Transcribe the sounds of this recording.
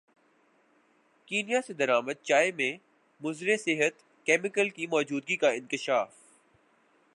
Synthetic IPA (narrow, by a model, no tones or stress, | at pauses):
kiːnijased̪ɐɾaːməd̪̚t͡ʃaːemẽ | mʊzɾesɪɦət̪ | keːmɪkəlkimɔːd͡ʒuːd̪̚ɡikaɪ̃nkɪʃaːf